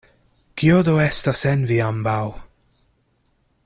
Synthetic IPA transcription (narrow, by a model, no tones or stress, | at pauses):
kiod̪oestasenviambaw